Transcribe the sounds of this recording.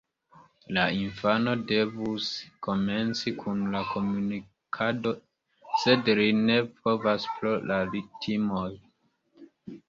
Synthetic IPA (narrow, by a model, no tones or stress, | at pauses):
lainfano̞de̞vusko̞me̞nt͡sikʰunlako̞muni | kʰado̞ | se̞dline̞po̞vaspɾolʔalitʰimo̞j